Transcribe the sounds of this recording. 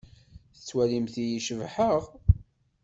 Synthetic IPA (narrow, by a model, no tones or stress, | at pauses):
θət͡sːwælimθijiʃəvħəʁ